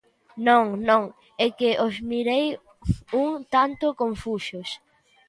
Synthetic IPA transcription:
nõŋnõŋ | ɛkɪʔozmiɾej | uŋt̪ant̪ʊkoɱfuʃʊs

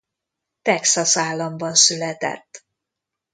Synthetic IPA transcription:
t̪ɛksɒsaːlːɒmbɒnsylɛt̪ɛ̰t̪ː

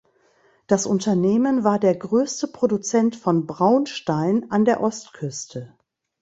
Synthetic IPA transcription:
d̥asʔʊntʰɐneːmənvaːɐdeːɐɡʁøːstəpʁ̥odut͡sɛntfɔnbʁaʊnʃtaɪnʔandeːɐʔɔstkʰʏstʰə

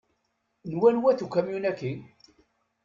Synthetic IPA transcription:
nwænwæθukːæmjunækːi

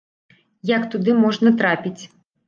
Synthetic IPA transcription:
jakt̪ud̪ɨmɔʐnɐt̪ɾapʲit͡sʲ

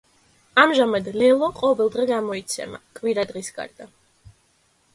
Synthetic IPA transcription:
amʒamad̪lɛlˠɔqʼɔvɛlˠd̪ʁɛɡamɔit̪sʰɛ̰ma̰kʼviɾad̪ʁisɡa̰ɾd̪̥a

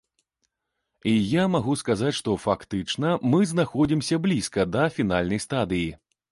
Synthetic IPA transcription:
ijamaɣuskazat͡sʲʂt̪ɔfakt̪ɨt͡ʂnɐmɨznaxɔd͡zʲimsʲɐblʲiskɐd̪ɐfʲin̪alʲnɐjst̪ad̪ɨji

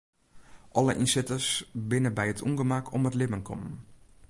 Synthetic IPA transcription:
ʔɔləʔinsɪtəsbɪnəbɛjətʰṵnɡəmakʰɔmətlɪbənkʰɔ̰mn

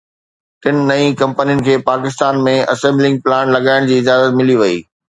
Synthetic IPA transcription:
tɪnɪ̆nɐĩkɐ̃mpənijʊnɪ̆kʰeːpaːkɪst̪aːnmẽɐ̰sẽːmblɪ̃ŋɡ̚plaːñlɐɠaːɪɽ̃d͡ʑiːɪd͡ʑaːzət̪mɪliʋɐḭː

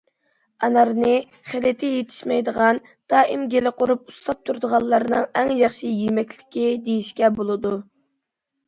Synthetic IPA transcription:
ɑnɑɾnɨ | χelɪt̪ʰɪjet̪ʰɪ̥ʃmɛjd̪əʁɑn | d̪̥ɑːʔimɡʲelɪqʰoɾup̚uslˠɑp̚t̪ʰuɾd̪əʁɑlˠːɑɾɨnɨŋɛŋjɑχʃijemɛkʲlɪ̥kʲid̪ejiʃkʲɛbolˠɨd̪u

